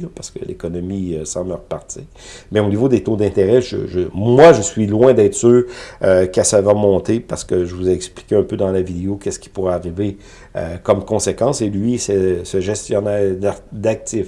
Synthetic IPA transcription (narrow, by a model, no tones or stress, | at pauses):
paʁsə̥kə̰lḛkɔnɔmiøsɑ̃bləʁpaʁt̪iːʁ | mɛonivod̪et̪õd̪ɛ̃t̪eʁɛʒə̰ʒəmwaʒəsɥilwɛ̃d̪ɛːt̪χsøøkʲasavɛʁmɔ̃ːt̪epaʁsə̥kəʒəvuzɛɛkspli̥kʲeœ̃pød̪ɑ̃lavid̪eokʲɛskʲi̥puʁɛaʁive | ø̰kɔmkɔ̃sekɑ̃ːselɥisɛsəʒɛst̪jɔnɛːʁd̪d̪ak̚t̪ɪf